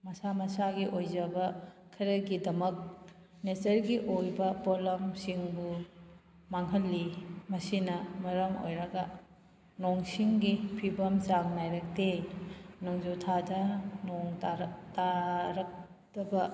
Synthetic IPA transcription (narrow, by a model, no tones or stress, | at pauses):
mɐsamɐsaɡiʔojzɐbɐ | kʰɐɾɐɡidɐmɐk̚ | netɐɾɡiʔojbɐpɔlɐmsiŋbu | maŋɦɐlːimɐsinɐmɐɾɐmo̰jɾɐɡɐ | nɔŋsiŋɡipʰibɐmt͡ʃaŋnajɾɐk̚de | noŋzotʰadɐnɔŋttaɾɐk̚ | tɐbɐ